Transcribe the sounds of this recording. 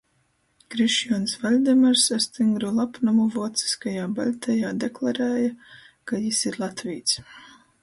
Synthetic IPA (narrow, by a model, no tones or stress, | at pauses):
kɾiʃjɔɔnsvalʲd̪ɛmaɾsast̪iŋɡɾulˠapnamuvuɔt̪si̥skajaːbalʲt̪ʲɛjaːd̪eklˠaɾɛːja | kajisiɾlˠat̪viːt̪sʲ